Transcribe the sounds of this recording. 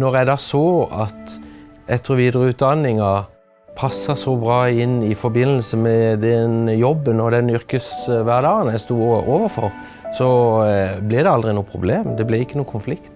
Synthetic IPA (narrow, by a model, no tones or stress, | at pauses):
nɔʁjæɪd̪ɑːsoːɑt̪ʔɛt̪ʰːəʁɔʋiːd̪əʁəʉːt̪̚d̪ɑnːɪŋɑ | pʰɑsːəsɔbʁɑːɪnɪfɔɾbɪnːəlsəmɛd̪ɛnjɔbːənɔd̪ɛnʏʁkəsʋæʁd̪ɑːɡənæɪst̪uːʔoːʋəfɔʁ | sɔ | blɪd̪ɛɑld̪ʁɪnuːəpʰʁʊ̰bleːmd̪ɛblæɪkːənuːkʰʊnflɪkt̪